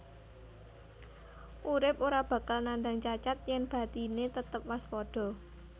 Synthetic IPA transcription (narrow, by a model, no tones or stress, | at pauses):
ʔuɾɪpoɾab̥ä̤kalnand̪aŋt͡ʃat͡ʃat̪̚jɛŋb̥ä̤t̪inet̪ət̪əp̚waspɔɖ̥ɔ̤